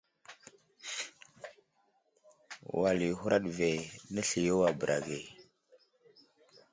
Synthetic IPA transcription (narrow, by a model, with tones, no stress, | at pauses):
wa˨li˨hu˦ɾa˦ɗve˨nə˦ɬi˨jo˦wa˨bə˨ɾʔa̰˨ɡe˨